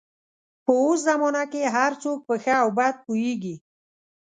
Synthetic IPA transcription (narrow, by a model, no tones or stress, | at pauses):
pəos̬zamɔnakeɦaɾt͡sok̚pəxəawbad̪̚pojeɡi